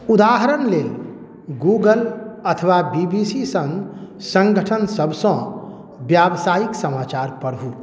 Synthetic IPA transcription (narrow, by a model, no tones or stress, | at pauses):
ud̪aɦəɾənlel | ɡuɡələt̪ʰəʋabibisisə̃ŋ | sə̃ŋɡʱəʈʰənsəbsə̃ | bjabsajiksəmat͡ʃaɾpəɽɦu